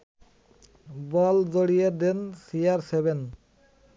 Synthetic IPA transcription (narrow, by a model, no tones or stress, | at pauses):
bɔld͡ʑoɽijed̪ensijaɾseben